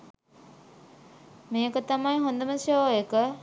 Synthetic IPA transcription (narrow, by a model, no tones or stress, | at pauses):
meːkət̪amajɦond̪əməsjoːekə